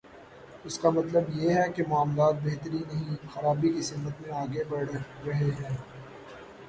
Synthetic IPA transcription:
ʊskamɐt̪ləbjeɦɛkemʊaːmlaːt̪̚beɦt̪əɾinɐɦĩxɐɾaːbikisɪmət̪mẽaːɡebɐɽɾɐɦeɦɛ̃ː

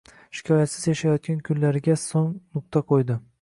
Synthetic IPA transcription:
ʃɪ̥kʰʲɒjat̪sɪzjaʃajɒt̪̚ɡʲankʲʰʊnlaɾɪɡʲasoŋnʊq̚t̪ʰaqʰojd̪ɪ

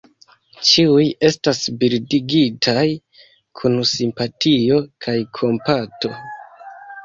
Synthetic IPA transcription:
t͡ʃiuje̞stasbiɾdiɡitʰaj | kʰunsimpatʰio̞kʰajkʰo̞mpato̞

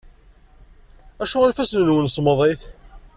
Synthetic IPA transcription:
æʃuænfæsnənwənsˤməðˤeθ

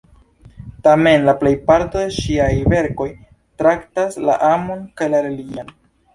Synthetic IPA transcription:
tame̞nlaple̞jpaɾto̞de̞ʃiajve̞ɾko̞j | tɾaktasla̰ʔamo̞nkajlaɾelion

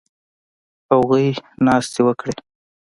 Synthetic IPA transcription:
awɣujnɑst̪ewəkɽe

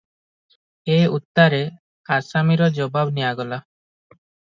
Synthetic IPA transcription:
eut̪ːaɾe | asamiɾɔd͡ʒɔbabnijaɡɔla

